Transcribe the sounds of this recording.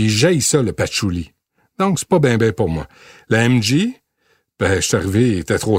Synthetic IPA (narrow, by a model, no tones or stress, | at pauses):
iʒajsɔləpat͡ʃuli | d̪ɔ̃kse̥pɔbɛ̃bɛ̃pʊʁmwa̰ | laɛmʒi | b̥ɛʃt̪yaʁivet̪ɛt̪ʁoː